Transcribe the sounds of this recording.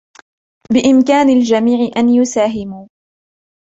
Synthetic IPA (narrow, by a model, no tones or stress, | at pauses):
bɪʔɪmkaːnald͡ʒamiːʕɪʔanjʊsaːɦɪmuː